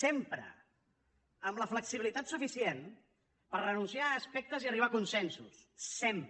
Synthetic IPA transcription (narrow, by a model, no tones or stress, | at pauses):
sempɾə̰ | əmləfləksiβilit̪at̪sufisien | pərrənunsiaəspɛk̚t̪əziəriβakunsɛnsusːemp